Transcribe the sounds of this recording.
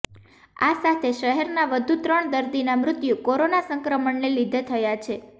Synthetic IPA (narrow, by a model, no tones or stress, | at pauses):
a̰sat̪ʰeʃəɦɛɾnaʋəd̪ʱut̪ɾəɳd̪əɾd̪inamɾʊt̪jukoɾonasəŋkɾəməɳːelid̪ʱet̪ʰəjat͡ʃʰe